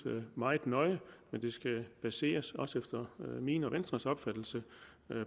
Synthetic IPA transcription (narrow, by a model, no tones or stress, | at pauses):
mɑ̈ɪð̩ˠnɒ̽ɪəmend̥e̝sɡ̥æb̥æse̝̰ːɐsɒ̽sefd̥ɐmḭːnɒʋensd̥ʁɐsɒ̽b̥fæd̥l̩sə